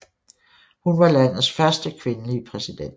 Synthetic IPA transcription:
hunʋɑ̈læn̰ð̩ˠsfɶɐsd̥əkʰʋe̝nəliəpʰʁɛsid̥en̰d̥

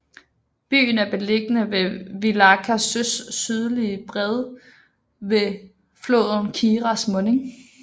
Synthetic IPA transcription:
b̥y̰ːn̩æɐb̥e̝le̝ɡ̥ənəʋe̝ʋilɑkʰæsøsːyð̞ˠlib̥ʁɛðˠ | ʋe̝ | flo̰ðˠn̩kʰiːʁɑsmɔ̽ne̝ŋ

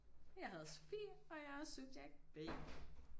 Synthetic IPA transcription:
jɑ̈ɪɦæð̞ˠso̥fḭːɒ̽jɑɪhɒsuɡ̥̚d̥jɑ̈ɡ̥̚b̥ḛ

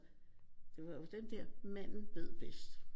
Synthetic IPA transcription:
d̥e̝ʋɑ̈jo̝d̥end̥ɛɐ̰mæn̰n̩b̥e̝ðˠb̥esd̥

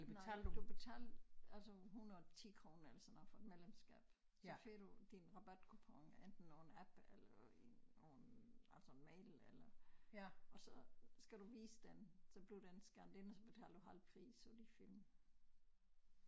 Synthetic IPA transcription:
elnʰɛːld̥u̥ub̥e̝t͡sʰɛ̰ːlælsəɦunɐðˠt͡sʰiːkʰʁoːnelɐsɒnɐfɒ̽e̝d̥melemsɡ̥ɛ̰ːb̥ | sɒfe̝ɡ̥ɐd̥ud̥inʁɑ̈b̥æd̥kʰupʰɑŋʔend̥n̩ːo̝ːn̩æb̥elɐːoːn̩ælsənmɛɪlelɐ | ʔɒ̽sɒ̽sɡ̥æɾ̥uʋḭːsəd̥ensɒ̽b̥li̝ʊd̥ensɡ̥æɐnd̥enɒsɒ̽b̥e̝t͡sʰɛ̰ːlɐd̥uɦæl̰d̥̚pʰʁḭːsɒd̥ifil̰m

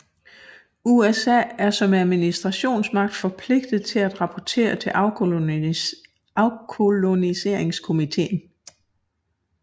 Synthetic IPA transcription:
uesɛ̰ːæɐsɒ̽mæðˠminisd̥ʁɑ̈ɕo̝̰ːnsmɑ̈ɡ̥̚d̥fɒ̽pʰle̝ɡ̥d̥ð̞̩ˠt͡sʰe̝læd̥ʁɑ̈pʰɒt͡sʰe̝̰ːɐt͡sʰe̝ | ʊkʰo̝lo̝nise̝ɐ̰e̝ŋskʰo̝mit͡sʰe̝̰ːn̩

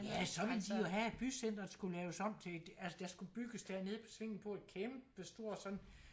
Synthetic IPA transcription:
jæsɒ̽ʋe̝ld̥i̥jo̝ɦæe̝d̥̚b̥ysen̰d̥ɐdsɡ̥ulɛːʊsɒ̽m̰t͡sʰe̝d̥ælsəd̥æ̈sɡ̥ub̥yɡ̥əsd̥æɐ̰ne̝ð̞ˠpʰɒ̥̽sʋe̝ŋ̰n̩pʰɒ̽æ̥kʰemb̥ʋesd̥o̝ɐ̰sɒ̽nn

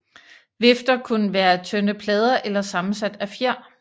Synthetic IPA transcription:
ʋe̝fd̥ɐkʰunəʋæːɐt͡sʰønəpʰlɛːð̞ˠɐʔelɐsɑ̈mn̩sæd̥æfjæɐ̰

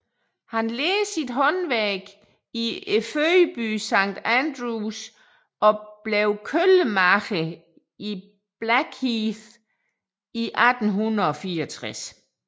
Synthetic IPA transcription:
hænleːsid̥ɦɒ̽nʋɛɡ̥ | ieføəb̥y̰ːsɑ̈ŋ̰d̥ænd̥ʁus | ɒ̽b̥leʊkʰøləmɑɡ̥ʰə | i | b̥læɡ̥hiθ | iʔæd̥n̩ɦunðɐɒ̽fiːɐɒt͡sʰʁas

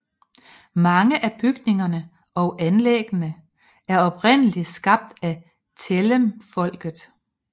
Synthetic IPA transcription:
mɑ̈ŋəʔæb̥yɡ̥ne̝ŋɐnə | ɒ̽ʊʔænleɡ̥ənə | æɐɒ̽pʁen̰əli̥sɡ̥ɑ̈b̥̚d̥æ | t͡sʰeləmfɒ̽l̰ɡ̥ð̩ˠ

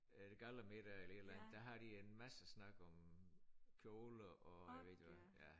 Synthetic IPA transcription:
d̥eɡ̥ɑlɐmeɾ̥æelɐe̝dlænð̩ˠd̥æɦɑ̈ɾ̥ie̝nmæsəsnɑ̈ɡ̥ɒ̽m | kʰjoləʔɒæʋe̝̰d̥jʋæjæ

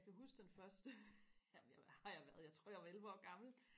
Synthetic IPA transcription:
kʰæɦusɡ̥d̥enfɶɐsd̥əæjhɑ̈jɑ̈ɪʋæɐð̩ˠjɑ̈t͡sʰʁo̝ɐ̰jɑ̈ɪʋɑ̈elʋɒ̰ːɡ̥ɑ̈ml̩

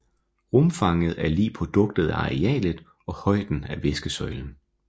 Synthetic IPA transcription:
ʁɔmfɑ̈ŋəð̞̩ˠæɐlḭːpʰʁo̝d̥ɔ̽ɡ̥̚d̥ð̩ˠæɑ̈ʁeɛ̰ːləd̥ˠ | ɒ̽hɒ̽ɪ̰d̥n̩æʋesɡ̥əsɒ̽ɪln̩

